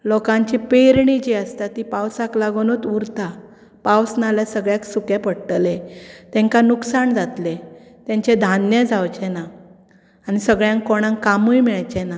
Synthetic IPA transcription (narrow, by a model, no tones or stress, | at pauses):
lɔkãɲt͡ɕipeɾɳid͡ʑiəst̪at̪iːpawsaklaɡonot̪uɾt̪a | pawsnaljasəɡɭjaksukapəɽʈlet̪ɛ̃ŋkanuksaɳd͡zat̪le | t̪jãɲt͡ɕed̪ʱanjad͡zawt͡ɕɛna | anisəɡɭjãŋkkːoɽ̃ãŋkamujmiɭajt͡ɕɛna